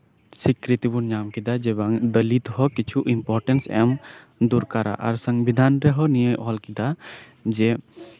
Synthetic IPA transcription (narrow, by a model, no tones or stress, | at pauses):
sikɾit̪ibuɾɲamkid̪ad͡ʒɛbaŋd̪əlit̪hɔkit͡ʃʰuʔimpɔɾʈɛnsɛ̰m | d̪uɾkaɾa̰ʔa̰ɾsəŋbʱid̪ʱanɾɛɦɔnijəʔɔlkid̪a | d͡ʒɛ